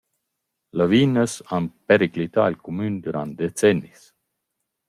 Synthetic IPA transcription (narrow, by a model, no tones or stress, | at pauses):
ləviːnəsanpeɾiklit̪a̰elkumynd̪yɾan̚d̪et͡sɛnːis